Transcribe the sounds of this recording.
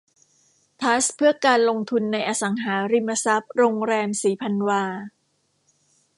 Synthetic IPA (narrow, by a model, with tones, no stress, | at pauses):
t̪ʰa˦˥spʰɯ˥˩ɐkaː˧nlo˧ŋt̪ʰu˧nːa˧jʔaː˧sa˩˦ŋɦaː˩˦ɾi˧mːa˧sa˦˥p̚ɾoː˧ŋɾɛː˧msiː˩˦pʰa˧nwaː˧